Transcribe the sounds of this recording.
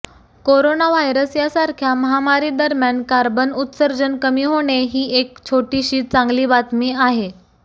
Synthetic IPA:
koɾonaʋajɾəsjasaɾkʰjaməɦamaɾiːd̪əɾmjankaɾbənut̪səɾd͡ʑənkəmiːɦoɽ̃eɦiːek̚t͡ɕʰoʈiɕiːt̪̚t͡sãŋɡliːbat̪miːaɦe

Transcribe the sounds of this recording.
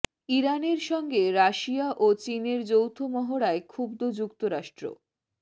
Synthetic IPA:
iɾaneɾʃɔŋɡeɾaʃiaʔot͡ɕineɾd͡ʑowt̪ʰomɔɦoɽaekʰubd̪od͡ʑukt̪oɾaʃʈɾo̰

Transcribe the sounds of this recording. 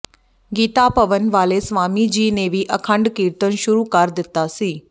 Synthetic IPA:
ɡiːt̪apɐʋənʋaːlesʋaːmid͡ʒiːneʋiʔɐkʰə̃ɳɖkiːɾt̪ənʃʊɾuːkəɾd̪ɪt̪ːasiː

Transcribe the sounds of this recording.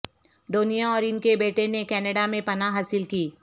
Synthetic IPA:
ɖoːnijaɔːɾɪnkebeːʈenekɛːnəɽamẽpɐnaɦaːsɪlkiː

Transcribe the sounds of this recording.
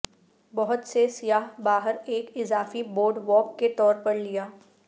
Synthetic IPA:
bɐɦʊt̪sesijaːɦbaːɦəɾeːkɪzaːfiboːɾɖʋɔːp̚ket̪ɔːɾpɐɾlijaː

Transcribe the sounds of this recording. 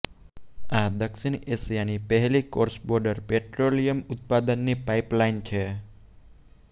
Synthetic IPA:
ad̪əkʃinesijanipəɦɛlikoɾsbɔɾɖəɾpeʈɾolijəmʊt̪̚pad̪ənːipaiplaint͡ʃʰe

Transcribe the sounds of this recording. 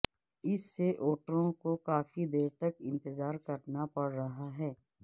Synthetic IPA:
ɪsːeʔoːʈəɾõkokaːfid̪eːɾt̪ɐkɪ̃nt̪ɪzaːɾkɐɾnapɐɽɾɐɦaɦɛː

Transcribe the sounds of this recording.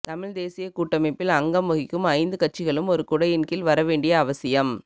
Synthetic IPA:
t̪ɐmɪɻd̪eːsɪjɐkuːʈːɐmɐɪpːɪlɐŋɡɐmʊɣɪkːɯmɐɪnd̪ɯkɐʈ̚t͡ʃːɪɣɐɭɯmɔɾɯkʊɽɐjɪnkɪlʋɐɾɐʋeːɳɖɪjɐːʋɐsɪjɐm

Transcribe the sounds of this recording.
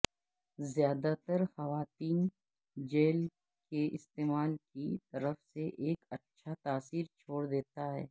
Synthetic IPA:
zjaːd̪at̪əɾxɐʋaːt̪iːn | d͡ʒeːl | keʔɪst̪eːmaːlkit̪ɐɾəfseʔeːkɐtːʃʰat̪aːsiːɾt͡ʃʰoːɽd̪eːt̪aɦɛ̰ː

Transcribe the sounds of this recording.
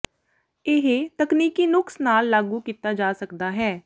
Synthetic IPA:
ɪɦːt̪əkniːkiːnʊksnaːlːaːɡuːkiːt̪aːd͡ʒaːsəkd̪aːɦɛː

